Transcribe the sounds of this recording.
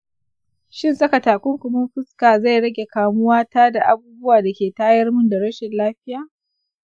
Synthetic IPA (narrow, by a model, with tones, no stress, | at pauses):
ʃɪ˦˨nsɐ˦kɐ˨taː˨kʷʊ˦ŋkʷʊ˨mɐ˦mɸɪ˦skaː˨za˦˨jɽɐ˦ɡʲe˨kaː˨mʊ˦waː˦taː˦da˨ʔa˨buː˦bʊ˦waː˨da˨kʲeː˨taː˦jɐ˦rmʊ˦nda˨ɽɐ˦ʃɪ˨nlaː˦ɸɪ˦jaː˨